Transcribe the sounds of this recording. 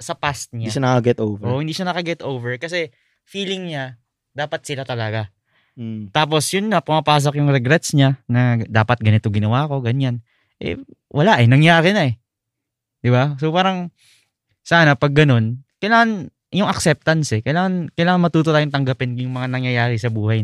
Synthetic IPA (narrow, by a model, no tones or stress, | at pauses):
sɐpast̪̚ɲadʃanɐkɐɡɛt̪ovʔoʔhɪnd̪iːʃanɐkɐɡɛt̪ʔowvɛɹkɐsɛ | fiːlɪŋɲa | d̪aːpɐt̪̚sɪlat̪ɐlɐɡa | t̪aːp̬o̞sjʊnːɐpɐmɐpaːs̬okjʊŋɾɛɡɾɛt̪̚sɲanɐd̪aːpɐt̪̚ɡɐnɪt̪o̞ɡɪnɐwaːko̞ɡɐɲan | ʔɛ̰ | wʔɐlaʔɛnɐŋjaːɾɪnɐɛ | d̪̥ɪbasopaːɾɐŋ | saːnɐpɐɡ̚ːɐno̞nkɐjlaːŋɐn | jʊŋɐk̚sɛp̚t̪ɐnsɛkɐjlaːŋɐnkɐjlaːŋɐnmɐt̪uːt̪ot̪aːjoŋt̪ɐŋɡɐpɪnjʊŋmɐŋanɐŋjɐjaːɾɪsɐbuːhaj